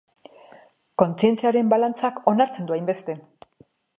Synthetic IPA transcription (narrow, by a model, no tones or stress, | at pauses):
ko̞nt͡sie̞nt͡siaɾe̞mbalant͡sako̞naɾt͡send̪uajmbe̞st̪e̞